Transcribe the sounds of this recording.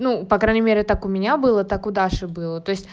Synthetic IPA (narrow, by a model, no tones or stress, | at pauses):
nupɐkɾajʲnʲɪmʲeɾʲɪt̪akʊmʲɪnʲabɨlˠət̪akʊd̪aʂɨbɨlˠət̪o̞ɪsʲtʲ